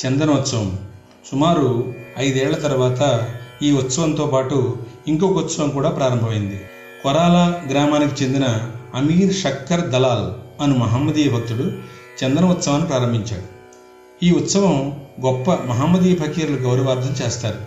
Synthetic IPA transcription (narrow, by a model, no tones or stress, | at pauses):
t͡ʃɛnd̪ɐnɐʋut̪sɐʋɐm | sumaːɾuɐjd̪ɛːɭːɐt̪ɐɾuʋaːt̪ɐiːut̪sɐʋɐnt̪o̞ːpaːʈu | iŋkoːkɐut̪sɐʋɐmkuːɽaːpɾaːɾɐmbʱɐmɐjind̪i | kɔɾaːlɐɡɾaːmaːnik̬it͡ʃe̞nd̪inɐːmiːɾʃɐkːɐɾd̪ɐlaːlɐnumɐɦaːmːɐd̪iːjɐbʱɐk̚t̪uɽu | t͡ʃɛnd̪ɐnɐʋut̪sɐʋaːnːipɾaːɾɐmbʱiɲt͡ʃaːɽu | iːut̪sɐʋɐmɡɔpːɐmɐɦaːmɐd̪iːjɐbʱɐkiːɾluɡɐwɾɐʋaːɾd̪ʱɐmt͡ʃeːst̪aːɾu